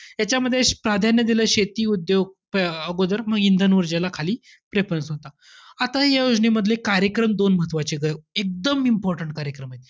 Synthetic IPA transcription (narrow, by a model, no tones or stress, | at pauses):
jat͡ɕjaməd̪ʱːjepɾad̪ʱanjəd̪iləɕet̪iːud̪joɡ̚pəɡod̪əɾməɡind̪ʱənʋəɾd͡ʑelakʰaliː | pɾepənsɦot̪a | at̪aɦjajod͡zɳiməd̪ʱlekaɾjəkɾəmd̪onməɦət̪ʋat͡ɕeɡəek̚d̪əmimpɔɾʈəɳʈ̚kaɾjəkɾəmaɦt̪e